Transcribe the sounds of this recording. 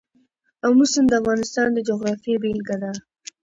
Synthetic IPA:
awmʊsɪnd̪əafɣɑnɪst̪ɑnd̪əd͡ʒoɣɾɑfebelɡad̪a

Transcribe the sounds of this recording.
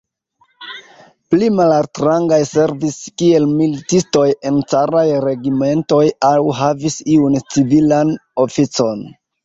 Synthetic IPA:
plimalalstɾaŋɡajse̞ɾviskie̞lmilitisto̞je̞nt͡saɾajɾe̞ɡime̞nto̞jawɦavisiunt͡sivilano̞fit͡so̞n

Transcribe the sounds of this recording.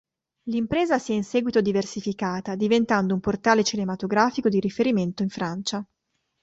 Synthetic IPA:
limpɾeːzasiɛinsɛːɡwit̪od̪iversifikaːt̪ad̪ivent̪and̪oumport̪aːlet͡ʃinemat̪oɡɾaːfikod̪iɾifeɾiment̪oiɱfɾant͡ʃa

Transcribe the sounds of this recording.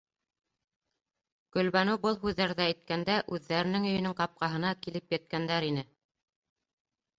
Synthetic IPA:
ɡ̥ɵ̆lβænɘbɤlˠɦʉðːæɾðæːjt̪̚kænd̪æʔʉðːæɾɘ̆nɘŋɵ̆jɵ̆nɘŋqɑp̚qɑɦɤ̆nɑkilɘpjæt̪̚kænd̪æɾinɘ

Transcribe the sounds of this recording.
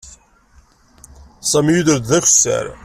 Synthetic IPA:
sˤæmjuðəɾd̪ðæçə̥sːæ̰ɾ

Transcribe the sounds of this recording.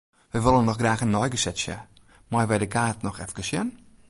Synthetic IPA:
ʋɛjʋɪlˠənːɔxɡraːxənːɔjɡəsɛtsjə̰ | majʋɛjdəkaːtnɔxɛ̰fkəsjən

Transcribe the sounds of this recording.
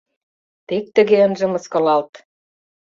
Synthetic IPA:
t̪ek̚t̪ə̆ɣeənʒĕmɤ̆skɑ̆lɑlt̪

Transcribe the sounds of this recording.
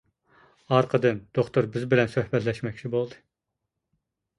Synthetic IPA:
ɑɾqʰəd̪ɨnd̪̥oχt̪ʰuɾbɪzbɪlɛnsøhbɛt̪lɛʃmɛkʲt͡ʃʰibolˠd̪ɨ

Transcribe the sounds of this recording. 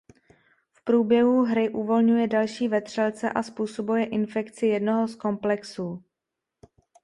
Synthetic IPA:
fpɾuːbjɛɦuɦɾɪʔuvo̞lɲujɛdalʃiːvɛt̪r̝̥ɛlt͡sɛ̰ʔaspuːso̞bujɛʔɪnfɛkt͡sɪjɛdno̞ɦosko̞mplɛksuː

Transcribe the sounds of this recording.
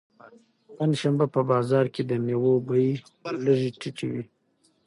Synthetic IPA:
panʃambapəbɑzɑɾked̪ənewobaji | ləʐiʈʰɪʈ͡ʂiwi

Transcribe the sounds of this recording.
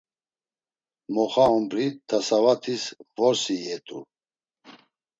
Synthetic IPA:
mɔχaɔmbɾit̪ʰasavat̪ʰisvɔɾsiɛt̪ʼṵ

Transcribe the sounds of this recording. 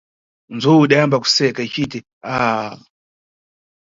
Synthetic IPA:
nd͡zuiɗajambaku̥sɛkait͡ʃitɛ | a

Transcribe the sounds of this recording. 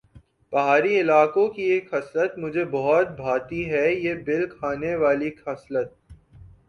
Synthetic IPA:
b̥ɐɦaːɾiɪlaːkõkieːkhɐslət̪mʊd͡ʒʱebɔɦɔt̪̚bʱaːt̪iɦɛjebɪlkʰaːneʋaːlikʰɐslət̪̚

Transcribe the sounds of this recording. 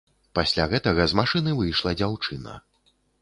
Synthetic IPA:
pasʲlʲaɣɛt̪ɐɣɐzmaʂɨnɨvɨjʂlˠɐd͡zʲawt͡ʂɨnɐ̰

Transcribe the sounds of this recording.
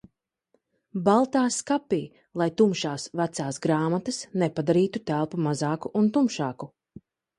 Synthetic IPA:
balˠt̪aːskapiː | lˠajt̪umʃaːsvæt̪saːsɡɾaːmat̪asnɛpad̪aɾiːt̪ut̪ælˠpumazaːkuʔunt̪umʃaːku

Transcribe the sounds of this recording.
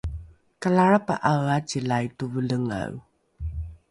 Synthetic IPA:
kalaɻapa̰ʔawat͡ɕilajtuvələŋa̰w

